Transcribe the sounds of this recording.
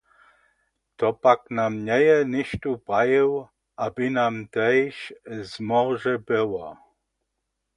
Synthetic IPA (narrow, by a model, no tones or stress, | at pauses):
t̪ɔpaknamɲɛjɛnɪʃt̪upajɪw | ʔabinamt̪ɛjʃzmɔʒɛbɪwɔ